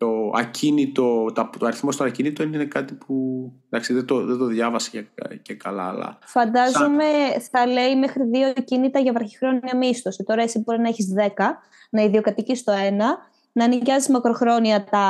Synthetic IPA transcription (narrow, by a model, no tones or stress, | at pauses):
t̪o̞ɐ̰cʰinit̪o̞t̪ɐt̪oɐɾiθmo̞st̪onɐcinit̪oininekɐt̪ipund̪ɐksiðed̪oðed̪oðʝɐvɐse̥ccekɐlɐ̰ɐlɐ̰fɐnd̪ɐzome̞θɐle̞imexɾiðio̞cinit̪ɐʝɐvɐɾçi̥xɾo̞niɐmist̪osit̪o̞ɾɐe̞sibo̞ɾinɐeçizðe̞kɐ | nɐiðio̞kɐt̪icist̪o̞e̞nɐ | nɐːniɟɐzizmɐkɾo̞xɾo̞niɐt̪ɐ